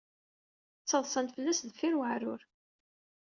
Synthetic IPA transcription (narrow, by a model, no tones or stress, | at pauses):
t͡sːəðˤsˤɑnt̪fəlːæsðfiɾwəʕɾʊɾ